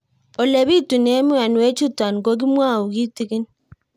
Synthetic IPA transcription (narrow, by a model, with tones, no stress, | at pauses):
o˨le˨bi˦tu˨ne˦mu˦a˨nwe˦t͡ʃu˦ta˨nɡo˦ɡ̬i˦mwa˦˨u˨ɡi˦ti˦ki˦n